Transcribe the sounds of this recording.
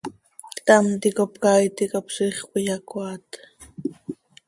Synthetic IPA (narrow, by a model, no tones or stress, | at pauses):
t̪amt̪ikopkajt̪ikapsiχwɪjakwat̪